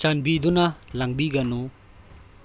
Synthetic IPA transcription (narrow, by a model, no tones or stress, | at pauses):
t͡ʃanbid̪unɐlaŋbiɡɐnu